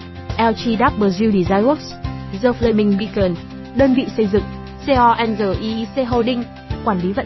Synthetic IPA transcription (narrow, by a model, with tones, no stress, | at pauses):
ʔɛ˧wt͡ɕi˧ɗaː˦˥p̚ɓəː˨˩zi˧wɗi˨˩zaː˧ju˦˥k̚szəː˧flə˧˨mï˧ŋɓi˧˩kə˧˩n | ɗəː˧nvḭ˧˨sə˧jzɨ̰˧˨ŋ | se˧ʔɔ˧ʔɛ˧nzəː˧˩ʔi˧se˧ɦo˧˩ɗï˧ŋ | kwaː˧˩nli˨˦və̰˧˨